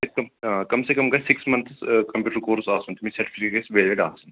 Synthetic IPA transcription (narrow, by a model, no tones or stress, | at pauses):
ekɐmkɐmsekɐmɡɐsɪksmɐnt̪ʰskɐmpjuːʈəɾkoːɾsaːsunt̪umĩsɐɾʈi̥fʰikekesʋeːlʋeɖaːsun